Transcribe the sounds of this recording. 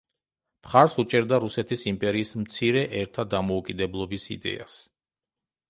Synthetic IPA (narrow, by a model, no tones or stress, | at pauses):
pχaɾsut͡ʃʼɛɾd̪aɾusɛt̪ʰisimpʼɛɾiːsm̩t̪sʰiɾɛʔɛɾt̪ʰad̪amɔukʼid̪ɛblˠɔbisḭd̪ɛ̰a̰s